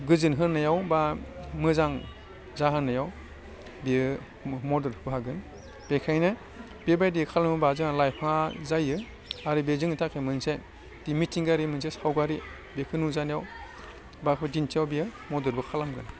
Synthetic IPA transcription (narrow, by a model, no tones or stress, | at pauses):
ɡɯzɯnɦɯnːajawbamɯzaŋ | zaɦanːajaw | biɯ | mɔdɯɾhbɦaɡɯn | b̥ekʰajnɯ | biebajdikʰalamɯbazɯŋalajpʰaŋazajɯ | aɾɯbezɯŋitʰakʰemɯnse | d̥imitʰiŋɡaɾimɯns̬esawɡaɾi | bekʰɯnuzanijaw | bapʰɯdintʰijawbijɯmɔdɯɾbɯkʰalamɡɯn